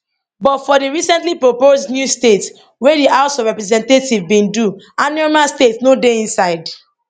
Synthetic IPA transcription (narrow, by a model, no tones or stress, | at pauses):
bɔtfɔdiɹisɛ̃ntlipɹoposnjustet | wediʔaʊsɔvɹɛpɾɛzɛ̃ntetivbĩndu | anɛmastetnodeĩnsaɪd